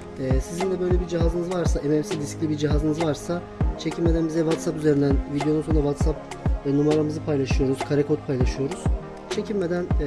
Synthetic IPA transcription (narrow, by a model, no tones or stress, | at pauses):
ɛːsizind̪ɛbø̞jlʲɛbiɾd͡ʒiɦazɯnɯzvaɾsaʔemɛmsid̪isclʲibiɾd͡ʒiɦazɯnɯzvaɾsa | t͡ʃʰe̞cʰimme̞d̪ænbizɛvat̪sapyzeɾind̪ænvid̪ejo̞nut̪ʰonavat̪sap | numaɾamɯzɯpʰajlˠaʃɯjo̞ɾuz̥kʰaɾekʰot̪̚pʰajlˠaʃɯjo̞ɾuz̥ | t͡ʃʰe̞cʰilme̞d̪æn